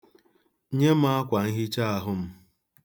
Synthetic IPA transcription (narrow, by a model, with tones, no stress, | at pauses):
ɲe˦m̩˦a˦a˦kʷa˨ŋ̩˦ɦi˦t͡ʃa˦a˦ɦʊ˦m̩˦